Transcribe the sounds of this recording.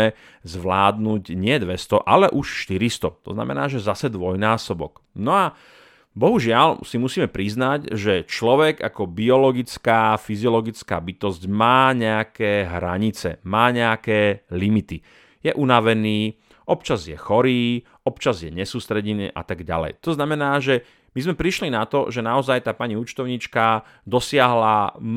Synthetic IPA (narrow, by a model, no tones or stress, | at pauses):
ɛ | zʋlaːd̪nuːɟɲɪɛd̪ʋɛst̪ɔʔalɛʔuʃʃt̪iɾist̪ɔt̪ɔ̰zna̰mɛ̰naːʒɛzasɛd̪ʋɔjnaːsɔbɔ̰k | nɔa | bɔɦuʒɪalsimusiːmɛpɾiznaɟʒɛt͡ʃlɔʋɛɡakɔbiɔlɔɡit͡skaːfiziɔlɔɡit͡skaːbit̪ɔzɟmaːɲɛakɛːɦɾa̰ɲit͡sɛ̰maːɲɛakɛːlimit̪i | jɛʔunaʋɛniː | ʔɔpt͡ʃazjɛxɔɾiː | ɔpt͡ʃazjɛɲɛsuːst̪ɾɛɟinḭːʔa̰t̪aɡɟa̰lɛ̰jt̪ɔznamɛnaːʒɛ | mizmɛpɾiʃlinat̪ɔ̰ʒɛnaɔzajt̪aːpaɲiut͡ʃt̪ɔʊɲit͡ʃka | d̪ɔsɪaɦla